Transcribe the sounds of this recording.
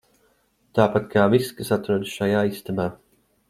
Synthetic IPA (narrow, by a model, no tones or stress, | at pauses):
t̪aːpat̪̚kʰaːviskɨsat̪ɾuɔd̪sʃajaːist̪ɛmaː